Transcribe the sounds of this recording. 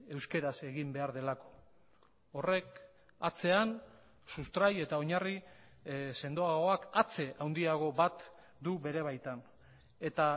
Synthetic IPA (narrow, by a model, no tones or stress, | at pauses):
e̞wske̞ɾase̞ɣimbe̞aɾðe̞lako̞̥ː | re̞k | at͡se̞an | sust̪ɾaje̞t̪ao̞ɲari | se̞nd̪o̞aɣo̞akat͡se̞ʔawnd̪iaɣ̞o̞βat̪ | d̪uβe̞ɾe̞β̞ajt̪an | e̞t̪a